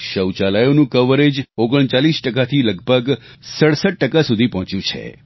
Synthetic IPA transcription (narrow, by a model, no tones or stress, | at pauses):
ʃəwt͡ʃalajonũkəʋəɾed͡ʒoɡəɳ̃t͡ʃalisʈəkat̪ʰiləɡbʱəɡ | səɽsəʈ̚ːəkasud̪ʱipɔɦt͡ʃjũt͡ʃʰḛ